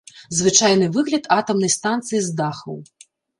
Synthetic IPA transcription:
zvɨt͡ʂajnɨvɨɣlʲɐd̪at̪ɐmnɐjst̪ant̪sɨjizd̪axɐ̰w

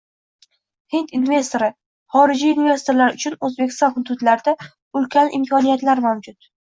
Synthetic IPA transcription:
hɪnt̪inve̞st̪o̞ɾɪ | χɒɾɪd͡ʒiːnve̞st̪o̞ɾlaɾʊt͡ʃʰʊnɵzbekʲɪ̥st̪ɒnhʊd̪ʊd̪laɾd̪a | ʊlkʲʰanɪmkʰɒnijat̪laɾmawd͡ʒʊt̪

